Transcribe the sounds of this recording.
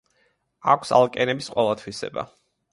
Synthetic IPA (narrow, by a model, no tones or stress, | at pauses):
akʷʰsa̰lˠkʼɛnɛbisqʼwɛlˠat̪ʰwisɛ̰ba̰